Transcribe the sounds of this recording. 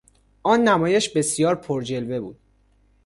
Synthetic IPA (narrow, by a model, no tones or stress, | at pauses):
ʔɒːnːæmɒːjeʃbe̞sijɒːɾpʰoɾd͡ʒe̞lve̞buːd̪̥